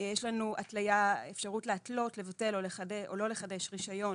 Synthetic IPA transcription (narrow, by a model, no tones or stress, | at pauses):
jɛʃlanuʔatlajaefʃaʁutleatlo̞tle̞vate̞loleχadeʔolo̞le̞χade̞ʃʁiʃajo̞n